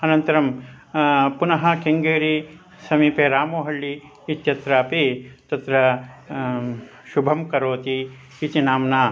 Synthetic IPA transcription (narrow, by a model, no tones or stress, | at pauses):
ɐnɐnt̪ɐɾɐm | punɐɦɐ̆keŋɡeːɾi | sɐmiːpeːɾaːmoːɦɐɭːiː | t̪jɐt̪ɾaːpit̪ɐt̪ɾɐ | ʃubʱɐmkɐɾoːt̪iː | t̪inaːmnaː